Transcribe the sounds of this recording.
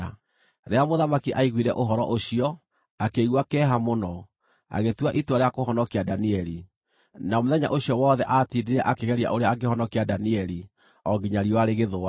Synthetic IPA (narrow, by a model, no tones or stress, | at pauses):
ɾeamoðamakiʔaiɣwiɾɛ̰ʔoɦɔɾɔ̰ʔoɕiɔ | akeiɣwakɛːɦamonɔ | a̰ɣetwaʔitwaɾeakoɦɔnɔkeadaniɛɾi | namoðɛɲa̰ʔoɕiɔwɔːðɛʔatiːdiɾɛʔakeɣɛɾia̰ʔoɾeaaɡehɔnɔkiadaniɛɾi | ɔɡiɲaɾiɔwaɾeɣeðoa